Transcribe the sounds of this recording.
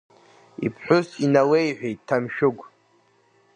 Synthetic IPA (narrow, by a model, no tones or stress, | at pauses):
ḭpʰħʷᶣʊsinawejħʷᶣejttʰːamʃᶣʊɡʷ